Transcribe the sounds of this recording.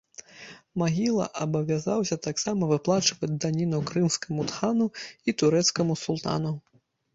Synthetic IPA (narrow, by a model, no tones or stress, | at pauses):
maɣʲilˠɐ̰ʔɐbɐvʲazawsʲɐt̪aksamɐvɨplˠat͡ʂɨvɐd͡zʲd̪anʲinɐwkɾɨmskɐmut̪xanuit̪uɾɛt̪skɐmusulˠt̪a̰nu